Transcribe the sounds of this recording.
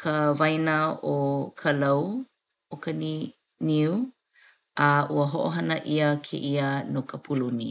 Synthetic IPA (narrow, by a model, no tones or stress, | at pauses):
kʰəvɐjnaokʰəlɐw | okəni | niu | ʔɐuəɦoʔoɦɐnəʔiəkʰḛʔiənokəpʰuluni